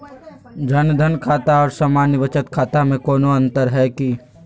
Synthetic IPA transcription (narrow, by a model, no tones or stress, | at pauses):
d͡ʒənd̪ʱənkʰaːt̪aɔːɾsaːmaːnjəʋət͡ʃət̪kʰaːt̪amẽkoːnoɐ̃nt̪əɾɦɛki